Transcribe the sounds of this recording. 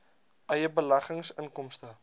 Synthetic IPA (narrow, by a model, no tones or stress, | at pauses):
ʔɐjəbəlɐχəŋsənkɔmstə